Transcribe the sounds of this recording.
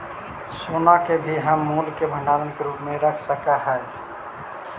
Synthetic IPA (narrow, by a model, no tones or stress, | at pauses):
sonakebʱiɦəmːulkebʱə̃ɳɖaɾənkeɾupmeɾəkʰsəkaɦəj